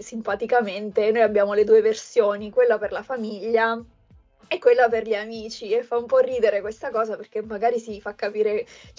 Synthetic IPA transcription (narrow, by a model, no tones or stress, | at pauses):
simpat̪ikament̪enoːjabːjaːmoled̪uːeversjoːnikwelːaperlafamiʎːa | ɛkːwelːaperʎiamiːt͡ʃiɛfːaumpɔrːiːd̪eɾekwest̪akɔːzaperk̟emːaɡaːɾisifakːapiːɾe